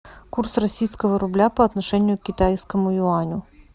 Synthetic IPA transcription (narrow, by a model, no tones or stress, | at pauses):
kursrɐsʲijskəvəɾʊblʲapɐɐt̪nɐʂɛnʲɪjʊkʲɪt̪ajskəmʊʊanʲʊ